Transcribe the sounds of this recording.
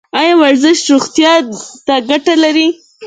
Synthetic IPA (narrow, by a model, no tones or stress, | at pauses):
ɑjɑwaɾzɪʃt̪ɾuɣt̪jɑt̪aɡaʈalaɾi